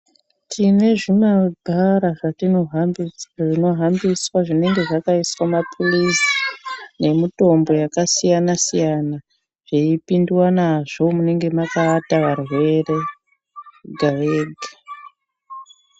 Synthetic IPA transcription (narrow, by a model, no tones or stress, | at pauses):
tʰine̞ʐimadʱaɾaʐatino̞ɦaʐino̞ɦambiswaʐine̞ŋɡe̞ʐakaiswamapʰulisi̥ne̞mito̞mbo̞jakasijanasijana | ʐ̥eipindiwanaʐo̞mune̞ŋɡe̞makaːtaʋarwe̞re̞ | ɡʱaʋeːɡʱḁ